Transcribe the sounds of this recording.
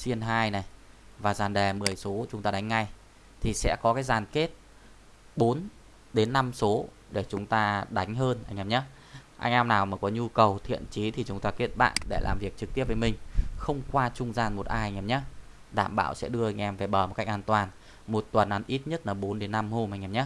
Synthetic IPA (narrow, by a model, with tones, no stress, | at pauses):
si˧ənɦaː˧jna˨˩jvaː˨˩zaː˨˩nɗe˨˩mɨ˨˩əjso˨˦t͡ɕʊ˨˦ŋ͡mt̪aː˧ɗa˨˦jŋ̟ːa˧j | t̪ʰi˨˩sɛ̰˧˥kɔ˨˦kaː˨˦jzaː˨˩nke˦˥t̚ | ɓo˨˦n | ɗe˨˦nːa˧mso˨˦ | ɗe˧˩t͡ɕʊ˨˦ŋ͡mt̪aː˧ɗa˨˦jŋ̟ɦəː˧nʔa˧jŋ̟ʔɛ˧mɲə˦ | ʔa̰˧jŋ̟ʔɛ˧mnaː˨˩wmaː˨˩kɔ˨˦ɲu˧kə˨˩wt̪ʰḭ˧˨ənt͡ɕi˨˦t̪ʰi˨˩t͡ɕʊ˨˦ŋ͡mt̪aː˧ke˦˥ət̚ɓa̰ː˧˨nɗe˧˩lʔa̰ː˨˩mvi˨˩ək̚t͡ɕɨ˨˩k̚t̪i˦˥əp̚vəː˨˦jmï˨˩ŋ̟xə˧wŋ͡mkwaː˧t͡ɕʊ˧ŋ͡mzaː˧˩nmo˨˩t̚ʔaː˧jŋʔɛ˧mɲa˨˦ | ɗa̰ː˧˨mɓa̰ː˧˨wsɛ̰˧˥ɗɨ˧əʔa˧ŋ̟ʔɛ˧mve˨˩ɓəː˨˩m̚˨˩ka˦˥k̚ʔaː˧nt̪waː˨˩n | mo˨˩t̚t̪wə˨˩nʔa˨˦nʔi˦˥t̚ɲə˦˥t̚laː˨˩ɓo˨˦nɗe˨˦nːa˧mho˧mʔa˧j̟ʔɛ˧mɲa˨˦˥